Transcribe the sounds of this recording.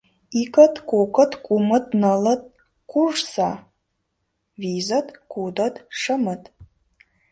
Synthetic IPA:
ikʼɐtʰʼkʷʼokʼɐtʼkʷʼumɨtʼnɐlɐt̚ʼ | kʷʼuʐsa | viːzɐtʼkʷudɐtʼʂɐmɨtʼ

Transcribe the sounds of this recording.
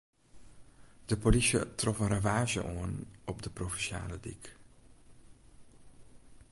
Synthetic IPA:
d̥əpolisjə̰trɔfənravaːʒə̰ʔoənɔpdəprofɛnʃa̰ːlədḭk

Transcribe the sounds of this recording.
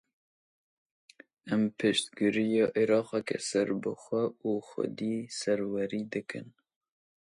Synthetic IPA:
ɛmpʰɨʃt̪ɡɨɾijɑːʔiɾɑːqɛkɛ̰sɛɾbɨxʷɛuːxʷɛ̰d̪iːsɛɾwɛɾiːd̪ɨkɨ̰n

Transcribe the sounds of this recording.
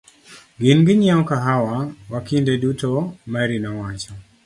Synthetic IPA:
ɡɪnɡɪɲaɔkaɦawawakindedutɔmaɾinɔwat͡ʃɔ

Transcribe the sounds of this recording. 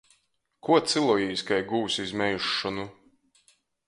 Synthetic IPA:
kuɔt̪sɨlˠɔjiːskajɡuːsizmʲɛjuʃːɔnu

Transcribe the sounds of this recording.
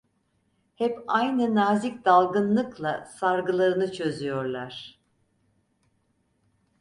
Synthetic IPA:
hɛpajnɯnaːzicd̪alˠɡɯnlˠɯklˠasaɾɡɯlˠaɾɯnɯt͡ʃʰø̞zyjo̞ɾlˠaɾ̝̥

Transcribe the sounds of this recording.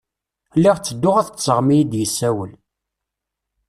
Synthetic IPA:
lːiʁt͡sːəd̪ːʊʁæθsəʁmijid̪jəsːæwəl

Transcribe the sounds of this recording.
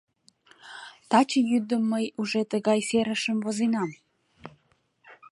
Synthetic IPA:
t̪ɑt͡ɕəjyd̪əmːəjuʒet̪əɣɑjseɾəʃəmvozinɑm

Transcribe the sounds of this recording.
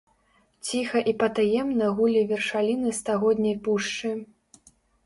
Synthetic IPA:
t͡sʲixɐʔipɐt̪ajɛmnɐɣulʲivʲɛrʂalʲinɨst̪aɣɔd̪ʲnʲɐjpuʂt͡ʂɨ

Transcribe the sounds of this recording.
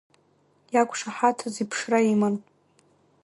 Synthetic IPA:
jakʷʰʼʂaħatʰazipʰʂraiman

